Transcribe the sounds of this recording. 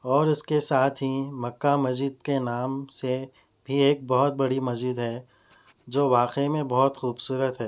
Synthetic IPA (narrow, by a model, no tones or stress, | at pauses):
ɔːɾɪskesaːt̪ʰɦimɐkːamɐzɪd̪̚kenaːmse | bʱieːk̚bɔɦʊt̪̚bɐɽimɐzɪd̪ɦɛː | d͡ʒoːʋaːqemẽbɔɦʊt̪xuːbsuːɾət̪ɦɛː